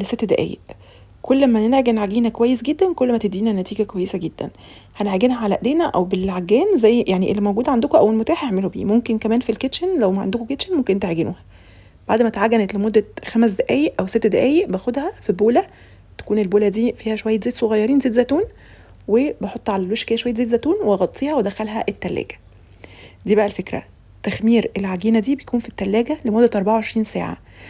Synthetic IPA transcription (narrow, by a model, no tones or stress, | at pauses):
leset̪ːd̪æʔæ̰ːjḛʔ | kʰolːmænenʕeɡenʕaɡiːnækowæjːesɡed̪ːænkolːmæt̪ed̪ːiːnænæt̪iːɡækowæjːesæɡed̪̥ːæ̰n | hænʕeɡenɦæʕalæʔd̪eːnæʔæ̰wbelʕaɡːæːnzæjːjaʕniʔelːimæowɡuːd̪ʕand̪okoʔæwːelmot̪æːħeʕmelobḭːmomkenkæmæːnfilket̪ʃenlæwmæʕa̰nd̪okoket̪ʃenmomkennt̪ʕeɡenʔuːhæ | b̥aʕd̪mæt̪ʕaɡːænet̪lemod̪ːæxæmæs̬d̪æʔæːjeʔʔæwset̪ːd̪æʔæːjeʔbæxod̪hæfiboːlæ | t̪æ̥kuːnelboːlæd̪iːfiːhæʃowæjːet̪zeːt̪soɣɑjːɑɾˤiːnzeːt̪zæt̪uːn | webeħot̪ˤːʕalælweʃkæjːæʃwæjːt̪zeːt̪zæt̪uːnweɣɑt̪ˤːiːhɑwed̪æxælɦæʔet̪ːælːæ̰ːɡæ̥ | d̪iːbæʔælfekɾæ̰ | t̪æxmiːɾʔelʕaɡiːnæd̪iːbejkuːnfit̪ːælːæːɡælemod̪ːæt̪ʔɑɾˤbaʕawʕeʃɾiːnsæ̰ːʕa̰